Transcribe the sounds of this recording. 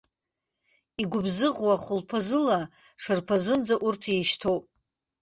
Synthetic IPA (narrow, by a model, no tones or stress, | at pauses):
iɡʷʊbzɨʁwaχʷʊlpʰazɨla | ʂɨrpʰazɨnd͡zaʔurtʰejʃtʰo̞wpʼ